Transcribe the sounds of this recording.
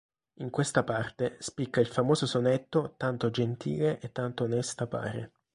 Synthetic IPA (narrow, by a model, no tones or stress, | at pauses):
iŋkwest̪apart̪espikːailfamoːzosonet̪ːot̪ant̪od͡ʒent̪ḭːleʔet̪ːant̪oːnɛst̪apa̰ːɾḛ